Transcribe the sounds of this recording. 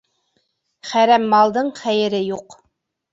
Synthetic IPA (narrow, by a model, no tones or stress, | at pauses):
χæɾæmːɑlˠd̪ɤɴχæjɘ̆ɾɘjuq